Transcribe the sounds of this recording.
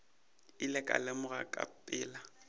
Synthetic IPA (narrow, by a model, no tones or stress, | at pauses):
ɪlɪkʼa̰lɪmʊɣakʼa̰pʼɪːla